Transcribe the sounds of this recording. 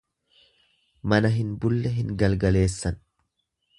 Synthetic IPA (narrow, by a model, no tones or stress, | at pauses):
mɐnɐɦɪnbʊlːɛɦɪŋɡɐlɡɐle̞ːsːɐn